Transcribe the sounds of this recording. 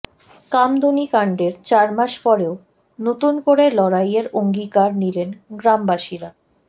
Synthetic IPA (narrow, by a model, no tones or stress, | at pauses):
kamd̪ʱonikaɳɖeɾt͡ɕaɾmaʃpɔɾeo | not̪unkoɾelɔɾajeɾoŋɡikaɾnilenɡɾambaʃiɾa